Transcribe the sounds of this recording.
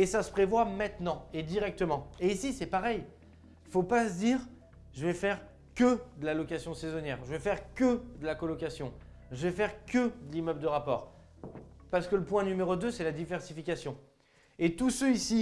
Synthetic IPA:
esasə̥pχevwamɛ̃t̪nɑ̃ed̪iʁɛk̚t̪əmɑ̃eisisɛpaʁɛj | ifopasəd̪iːʁ | ʒəvɛfɛʁ | kəd̪əlalɔkasjɔ̃sezɔnjɛʁʒəvɛfɛʁkʲəd̪əlakɔlɔkasjɔ̃ | ʒəvɛfɛʁkəd̪əlimœbld̪əʁapɔ̰ːʁ | paʁsə̥kələpwɛ̃nymeʁod̪øsɛlad̪ivɛʁsifikʲasjɔ̃ | et̪usøisi

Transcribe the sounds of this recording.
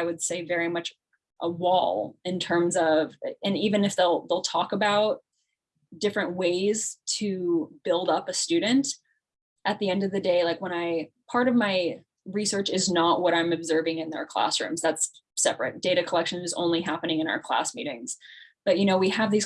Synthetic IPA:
aɪwɨd̥seɪvɛɹimʌt͡ʃ | ʔəwɔ̰lˠɨ̃ntʰɜ̃˞mzʌvɨ̃nivɨ̃nɨfðeɪlˠðeɪlˠtʰɔkəbaʊt̚ | d̥ɪfɹɨ̃nʔweɪz̥tʰɨb̥ɪlˠdʌpɨstʉdⁿn̩t | ʔɨt̪̚ðiɛ̃ndʌvðɨdeɪlaɪkwə̃ñaɪpʰɑɹɾʌvmaɪ | ɹisɜ˞t͡ʃɨznəʔ̚wʔʌɾãɪ̃mɨbzɜ˞vɪ̃ŋɨ̃nðə̰˞kʰl̥æ̰sɹʉ̰̃mzðætsː | ɛpɹɨ̰t̚d̥eɪɾɨkʰəlɛkʃɨ̃nɨzõ̰ʊ̃nliɦæpɨnɪ̃ŋɨ̃ɾ̃a̰ʊə˞kʰl̥æ̰smḭɾɪ̰̃ŋz̥b̥ʌt̚jɨñoʊwiɨvðiz̥

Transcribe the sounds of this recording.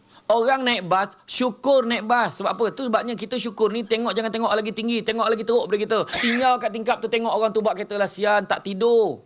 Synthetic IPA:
oɣaŋnaɪʔ̚basʃukʊrnait̪̚basːəbapət̪usəbap̚ɲak̬it̪əʃukʊrnit̪eŋɔʔd͡ʒaŋant̪eŋɔʔlaɡit̪iŋɡit̪eŋɔʔlaɡit̪əoʔbaɾikit̪ət̪iɲd͡ʒawakaʔt̪iŋkap̚t̪ut̪eŋɔʔoɣaŋt̪ubaʔkət̪əlasiant̪a̰ʔt̪ido

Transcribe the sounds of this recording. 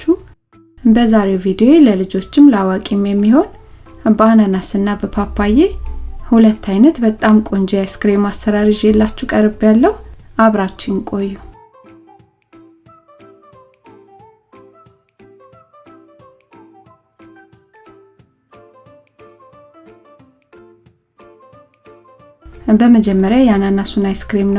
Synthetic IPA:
t͡ʃːu | bəzaɾe̞wvid̪o̞eləlɨd͡ʒo̞t͡ʃːɪmləawakʼimjɛmːiho̞nbananasɨnːabəpʰapʰːajehulət̪ʰːajnət̪bət̪ʼːamkʼo̞ɲd͡ʒejaskɨɾemasəɾaɾɨʒjɛlːat͡ʃːɛwkʼəɾɨbjalːəhuʔaβɾat͡ʃːɪnkʼo̞jːu | bəməd͡ʒɛmːəɾjajananasunajskɾemnə

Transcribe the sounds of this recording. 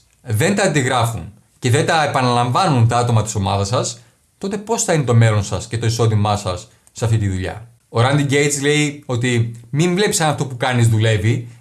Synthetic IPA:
ðe̞nt̪ɐːnd̪iɣɾɐfṵn | ce̞ðe̞nt̪ɐepɐnɐlɐɱvɐnunt̪ɐɐt̪o̞mɐt̪i̥so̞mɐðɐsɐs | t̪o̞t̪e̞po̞sθɐinet̪o̞me̞lo̞nsɐsce̞t̪o̞iso̞ðimɐsɐsː | ɐft̪it̪iðuʎɐ̰ | oɾɐnd̪iɟe̞jt̪sle̞io̞t̪imiɱvle̞pi̥sɐnɐft̪opukɐnizðule̞vi

